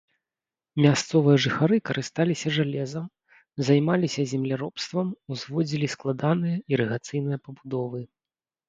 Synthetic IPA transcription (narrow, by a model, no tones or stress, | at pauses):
mʲast̪sɔvɨjɐʐɨxaɾɨkɐɾɨst̪alʲisʲɐʐalʲɛzɐm | zajmalʲisʲɐzʲɛmlʲaɾɔpst̪vɐmuzvɔd͡zʲilʲisklˠad̪anɨjɐiɾɨɣat̪sɨjnɨjɐpɐbud̪ɔvɨ